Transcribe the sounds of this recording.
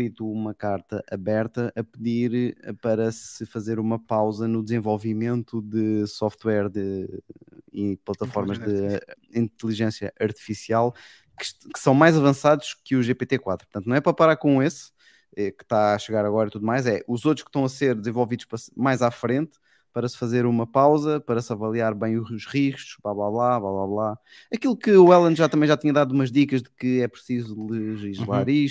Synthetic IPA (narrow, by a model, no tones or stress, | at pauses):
kɾit̪uumɐkaɾt̪ɐʔɐβɛɾt̪ɐʔɐpɨðiɾpɐɾɐsɨfɐzeɾumɐpawzɐnud̪zẽvolˠvimẽnt̪uðɨsɔft̪wɛɾdɨ | iplˠɐt̪ɐfɔɾmɐʒðɨ | ĩnt̪lˠiʒẽsjɐʔɐɾt̪i̥fisialˠ | kɨ̥kɨ̥sɐ̃w̃majzɐvɐ̃saðuʃkɨuʒepet̪ekwat̪ɾupɾt̪ɐ̃t̪nɐ̃ɛpɾɐpɐɾaɾkões | ɛkɨ̥t̪aʃɨɣaɾɐɣɔɾɐit̪uðumajzɛʔuzot̪ɾʊʃkʃt̪ɐ̃w̃ɐseɾd̪zẽvolˠviðuʃpɾɐsmajzafɾẽnt̪ | pɐɾɐsfɐzeɾumɐpawzɐpɐɾɐsɐvɐlˠiaɾβɐ̃j̃uuʃʁiʃt̪u̥ʒ̥blˠaβlˠaβlˠablˠaβlˠaβlˠa | ɐkilˠukɨuɛlˠɐ̃nd̪ʒat̪ɐmɐ̃j̃ʒat̪iɲɐðaðuumɐʒdikɐʒðɨkɨɛpɾsizulˠɨʒiʒlˠaɾiʃ